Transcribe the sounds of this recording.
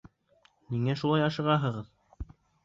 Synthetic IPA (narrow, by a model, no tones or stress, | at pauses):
niŋæʃulˠɑjɑʃɤ̆ʁɑɦɤ̆ʁɤð